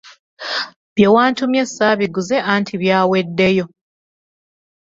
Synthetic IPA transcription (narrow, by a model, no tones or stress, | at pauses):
βjewaːntumje̞sːaβiɡuze̞ʔantʰiβjaːwe̞dːe̞jo̞